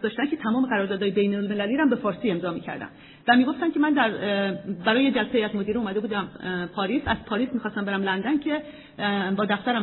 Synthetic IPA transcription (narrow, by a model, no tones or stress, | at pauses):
d̪ɒːʃt̪ænkʰet̪ʰæmɒːme̞ɣæɾɒːɾd̪ɒːd̪ɒːjebejnolme̞læliːɾæmbe̞fɒːɾsiːe̞mzɒːmiːcʰæ̰ɾd̪æ̰n | væmiːɡo̞ft̪æncʰe̞mænd̪æɾbæɾɒːjed͡ʒælseeiæzmod̪iːɾiumæd̪e̞buːd̪æmpʰɒːɾiːsæz̥pʰɒːɾiːsmiːxɒːst̪æmbe̞ɾæmlænd̪æncʰe̞ | bɒːd̪æft̪æɾæm